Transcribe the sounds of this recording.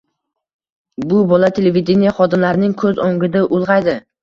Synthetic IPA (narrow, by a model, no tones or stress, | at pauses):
bʊbɒlat̪ʰe̞levʲid̪enijaχɒd̪ɪmlaɾnɪŋkʰɵzoŋɡʲɪd̪aʔʊlˠʁɑjd̪ɪ